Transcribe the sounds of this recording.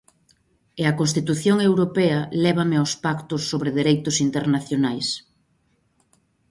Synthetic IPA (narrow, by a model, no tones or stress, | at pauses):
eɐkonst̪it̪uθjoŋewɾopɛɐlɛβ̞ɐmeawspakt̪ʊsːoβɾeðeɾejt̪ʊsint̪eɾnaθjonajs